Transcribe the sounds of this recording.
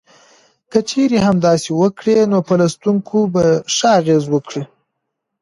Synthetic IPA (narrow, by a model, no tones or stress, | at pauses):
kət͡ʃeɾeɦamd̪ɑsewəkɽenopəlast̪uŋkʰobaʂəaɣezwəkɽi